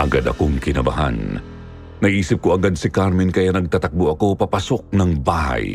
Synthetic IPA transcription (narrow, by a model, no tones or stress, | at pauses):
ʔɐɡad̪ɐ̰koŋkɪnɐba̰ɦa̰nː | ɐɡiːsɪp̚koɐɡad̪̚sɪkaɾmɛnkɐjanɐɡ̚t̪at̪ɐk̚boʔɐkopɐpasok̚nɐŋbaha̰j